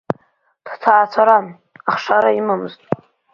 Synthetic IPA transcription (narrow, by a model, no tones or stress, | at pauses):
d̥tʰaːt͡sʷʰaɾan | aχʂaɾaimamɨztʼ